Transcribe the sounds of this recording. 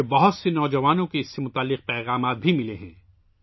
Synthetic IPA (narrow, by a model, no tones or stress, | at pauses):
bɐɦʊt̪senɔːd͡ʒɐʋaːnõkeɪsːemʊt̪aːlːɪq̚pɛːɣaːmaːt̪̚bʱimɪleɦɛ̰̃ː